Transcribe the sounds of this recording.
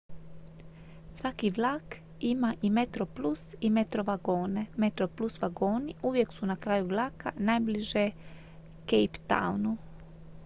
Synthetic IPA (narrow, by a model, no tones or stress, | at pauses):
sʋakiʋlˠaːk | imaʔimet̪ɾoplusimet̪ɾoʋaɡo̞ːne̞met̪ɾoplˠusʋaɡo̞ːniʔuʋjeksunakɾaːjuʋlˠaːkanajbliʒe | kejpt̪a̰wnu